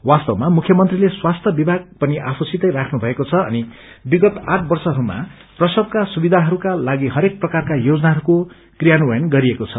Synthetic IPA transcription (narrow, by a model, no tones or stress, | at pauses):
wast̪ʌwmamukʰjʌmʌnt̪rileswast̪ʰjʌbibʱaɡ̚pʌniʔa̰pʰusit̪ʌjrakʰnubʱʌekot͡sʰʌʌ̰ni | biɡʌt̪aʈʰbʌrsʌɦʌɾuma̰ | prʌsʌbkasubid̪ʱaɦʌɾukalaɡiɦʌɾek̚prʌkarkajod͡zʌnaɦʌɾuko | krijanuwʌjʌnɡʌɾiekot͡sʰʌ